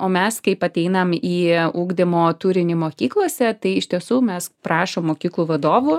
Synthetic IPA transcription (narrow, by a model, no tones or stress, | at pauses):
oːmʲɛskɐɪpɐt̪ʲɛɪnɐmiːuːɡd̪ʲɪmoːt̪uɾʲɪnʲɪmoːkʲiːklˠoɔsʲɛt̪ɐɪɪʃʲt̪ʲiɛsuːmʲɛspɾɑːʃoːmːoːkʲiːklˠuːʋɐd̪oːʋu